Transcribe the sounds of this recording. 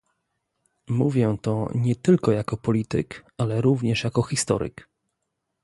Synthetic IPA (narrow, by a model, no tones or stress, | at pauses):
muvʲjɛ̃t̪ɔɲɛt̪ɘlkɔjakɔpɔlʲit̪ɘ̰kalɛɾuvɲɛʂjakɔxʲist̪ɔ̰ɾɘ̰k